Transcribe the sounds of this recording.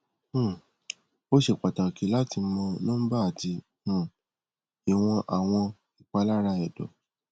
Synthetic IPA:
o˦ʃe˨k͡pa˨ta˨ki˨˦la˦ti˧m̩˦mɔ̃˧nɔ̃ː˦ba˦a˨ti˧ | hũ˨ | i˨w̃ɔ̃˧ʔa˨w̃ɔ̃˧ | i˨k͡pa˧˦la˦ɾa˧ɛ˨dɔ̰˨

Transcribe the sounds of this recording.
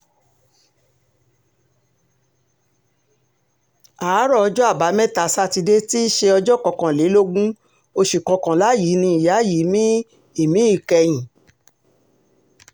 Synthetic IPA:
aː˨˦ɾɔ˦˨ɔ˧d͡ʒɔ˦a˦˨ba˨˦mɛ̃˦ta˨sa˦˨ti˧de˦ti˦ʃe˧ɔ˧d͡ʒɔ˦˨kɔ̃˨kã˨le˨˦lo˦ɡũ˦ | o˧ʃi˨kɔ̃˨˧kã˨la˨˦ji˨˦nĩ˧i˨ja˨˦ji˨˦mĩ˦ | i˦˨mĩ˦i˦˨kɛ˧j̃ĩ˨

